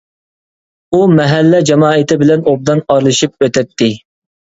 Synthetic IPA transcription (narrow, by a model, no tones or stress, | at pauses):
umɛɦælːɛd͡ʒɑmɑːɪt̪ʰɪbɪlɛnob̚d̪ɑnɑɾlˠɨʃip̚øt̪ʰɛt̪ːɪ